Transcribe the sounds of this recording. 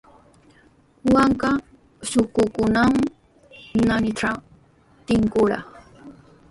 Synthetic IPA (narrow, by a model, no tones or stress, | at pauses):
waŋka | ʃʊkʊkʊnam | nanɪʈ͡ʂa | t̪ɪŋkʊɾɑ̰χ